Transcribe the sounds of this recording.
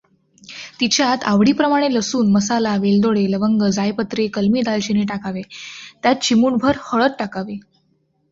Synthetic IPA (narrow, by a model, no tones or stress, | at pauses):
t̪it͡ɕjat̪aʋɽiːpɾəmaɽ̃eləsuːnməsalaʋeld̪oɽeləʋəŋɡəd͡zajpət̪ɾekəlmiːd̪alt͡ɕineʈakaʋet̪jat̪̚t͡ɕimuːɳbʱəɾhəɭət̪̚ʈakaʋe